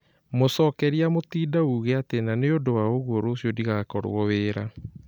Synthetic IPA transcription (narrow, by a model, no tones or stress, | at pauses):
mosɔːkɛɾiamotiːdauɣɛatenaneodowaoɣwoɾoːsjɔdiɣakɔɾw̰ɔweːɾa̰